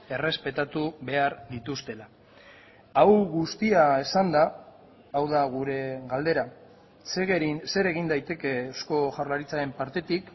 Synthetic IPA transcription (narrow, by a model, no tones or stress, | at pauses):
e̞re̞spe̞t̪at̪uβe̞aɾd̪it̪ust̪e̞la | awɣust̪iae̞sand̪aː | wðaɣ̞uɾe̞ɣald̪e̞ɾa | seɣse̞ɾe̞ɣind̪ajt̪e̞ke̞osko̞ʝawɾlaɾit͡saɾe̞mpaɾt̪e̞t̪ik